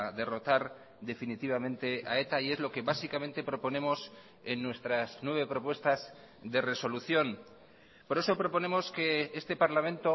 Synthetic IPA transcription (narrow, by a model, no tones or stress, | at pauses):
ðe̞ro̞t̪aɾ | d̪e̞finit̪iβ̞amẽnt̪e̞ae̞t̪aie̞zlo̞ke̞βasikamẽnt̪e̞pɾo̞po̞nẽ̞mos | enːwe̞st̪ɾaznwe̞β̞e̞pɾo̞pwe̞st̪az | ðe̞re̞so̞luθjo̞n | po̞ɾe̞so̞pɾo̞po̞ne̞mo̞ske̞est̪e̞paɾlamẽnt̪o̞